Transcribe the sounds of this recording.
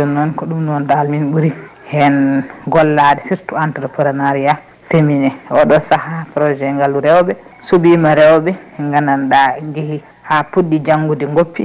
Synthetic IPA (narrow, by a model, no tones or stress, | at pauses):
dɔnːɔnkɔɗumnɔndalminɓuɾi | hɛnɡɔlːadɛsiɾtuantɾɔpɾɔnaɾia | teminɛɔɗɔsahapɾɔd͡ʒɛŋɡaluɾɛwbɛ | subimaɾɛwbɛŋɡananɗaŋɡihi | hapuɗːid͡ʒaŋɡudiŋɡopːi